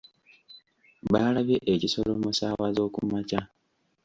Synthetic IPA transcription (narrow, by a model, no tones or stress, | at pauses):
βaːlaβjeʔeciso̞lo̞musaːwazo̞ːkṵmaca